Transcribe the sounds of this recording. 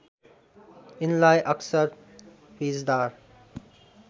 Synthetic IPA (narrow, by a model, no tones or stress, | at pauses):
ɪnlajʔʌksəɾ | piːzd̪aːɾ